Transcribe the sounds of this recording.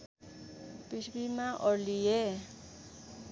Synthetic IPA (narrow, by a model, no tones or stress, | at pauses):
pisbimãʔɔɾlie